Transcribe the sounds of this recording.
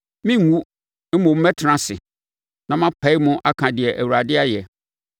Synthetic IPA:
mĩ˦ŋː˨˦ũ˦ | mõ˨m̩˦mɛ˦tʰã˨sɪ̰˨ | nã˨mã˦pʰɛ˦ɪ˦mʊ̃˦ʔa˦kʰã˨dɪ˨ɛ˨ʔæ˨wu˨ɾa˨dɪ˦a˦jɛ˨

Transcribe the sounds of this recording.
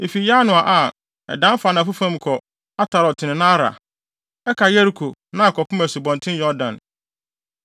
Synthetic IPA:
ɪ˨fi˨ja˦nʊ̃˨a˨ʔa˨ | ɛ̰˨dã˦m˦fa˨nã˨fu˦fã˦m˦kʰɔ˨ | a˦tʰa˨ɾɔ˨tʰɪ˨nɪ̃˨nã˦a˦ɾa̰˨ | ɛ˦kʰa˨jɛ˦ɾi˦kʰo˨nã˦˨kʰɔ˨pʰʊ˦æ˨su˨bɔ̃˨ntʰɪ̃˦jɔ˦dã˨n

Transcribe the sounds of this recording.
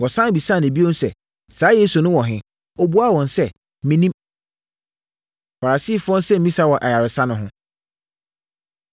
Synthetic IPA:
wɔ˨sã˦n˨bi˨sã˦˨ne˨bi˦õ˦n˦sɛ˨ | saː˦jeː˦su˨nʊ̃˦wɔ̃˨ɦɪ̃˦ | o˨bu˦a˦˨wɔ̃˨nsɛ˦˨ | mĩ˦nĩ˦m | fa˨ɾa˨si˦˨fʊ˦ɔ̃˦n˦sɛ˦m̩˦mĩ˦sa˦wɔ˨ʔa˨ja˨ɾɪ˨sã˦nʊ̃˨ɦʊ̃˦

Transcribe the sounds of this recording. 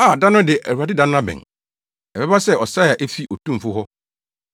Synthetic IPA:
a˨dã˦nʊ̃˦dɪ˨ʔæ˨wu˨a˨dɪ˦dã˦ñ˦ã˦bɛ̰̃˨ŋ | ɛ˨bɛ˦ba˦sɛ˦˨ɔ˨sa˦˨a˨ʔɛ˦fi˦ʔɔ˨tʰũ˦m˨fʊ˦ɦɔ˦

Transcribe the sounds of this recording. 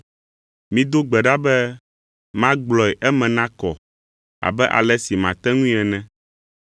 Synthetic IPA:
mĩ˦d̪o˦ɡ͡bɛ˨ɖa˦bɛ˦ | mã˦ɡ͡blɔ˨ɛ˨ʔɛ˦mɛ̃˨nã˦kɔ˨ | a̰˨bɛ˦ʔa̰˨lɛ˦si˨mã˨t̪ɛ˦ŋũ˦i˦ɛ˨nɛ̃˦

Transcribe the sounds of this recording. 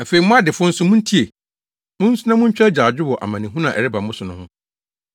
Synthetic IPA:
a˨fe˨i˨mʊ̃˦a˦dɪ˨fʊ̃˦n̩˦sʊ˦mʊ̃˦n̩˦tʰi˦e˨ | mʊ̃˦n̩˦sʊ˦nã˦mʊ̃˦ɲ̩˦t͡ɕᶣɛ˦d͡ʑaː˨d͡ʑᶣɪ˦wɔ˨ʔa̰˨mã˨nɪ̃˨ɦũ˦nã˨ʔɛ̰˨ɾɪ˦ba˨m˦ʊ̃˦sʊ˨nʊ̃˦hʊ̰̃˦

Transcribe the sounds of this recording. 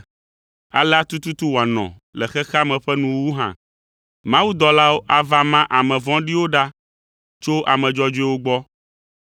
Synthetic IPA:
a̰˨la˦t̪u˦t̪u˦t̪u˦wo˨a˨nɔ̰̃˨ | lɛ˨xɛ˦xa˦mɛ̃˨ɸɛ˦nũ˨wu˦ɦã̰˨ | mã˦wu˦d̪ɔ˨la˦wo˦ʔa˨va˦mã˦ʔa˨mɛ̃˨vɔ̃˦ɖi˦wo˦ɖa˦ | t͡ʃo˦ʔa̰˨mɛ̃˨d͡ʒɔ˦d͡ʒu˦ɛ˦wo˦ɡ͡bɔ˦

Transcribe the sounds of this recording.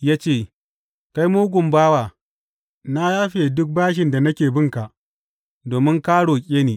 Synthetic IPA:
jaː˦t͡ʃeː˦˨ | ka˦jmoː˦ɡʷʊ˨mbaː˦waː˨ | na˦jaː˦ɸeː˨dʊ˦k̚baː˦ʃ̬ɪ˨nda˨nɐ˦kʲeː˨bɪ˦ŋka˨ʔ | doː˨mɪ˦ŋkaː˦ɽoː˨kʲʼeː˦neː˨

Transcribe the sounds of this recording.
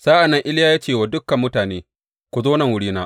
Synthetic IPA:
saː˦ʔa˨nːɐ˦ŋʔɪ˦lɪ˦jaː˦jaː˦t͡ʃeː˦˨waː˨dʊ˦kːɐ˨mːʊ˦taː˨neː˦ | kʷu˨zoː˦nɐ˨ŋwʊ˦ɽiː˦naː˦ʔ

